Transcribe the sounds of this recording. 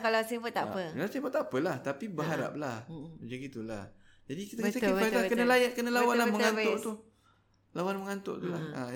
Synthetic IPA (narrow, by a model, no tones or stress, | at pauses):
kalasifət̪aʔpəlasifət̪ːapəlaht̪apibəɦaɾa̰p̚lahd͡ʒaɡit̪ula̰h | d͡ʒadikit̪ət̪əit̪atkənəlajaʔ̚kənəlawanlaməŋanoʔt̪ | lawanməŋant̪o̰ʔt̪ulaa